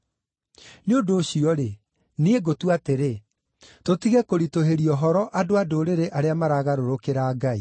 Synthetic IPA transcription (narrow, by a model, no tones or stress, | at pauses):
neondoːɕiɔɾe | nieɡotuateɾe | totiɣɛkoɾitoɦeɾiɔɦɔɾɔʔadoadoɾeɾeʔaɾeamaɾaːɣaɾoɾokeɾaːɡaḭ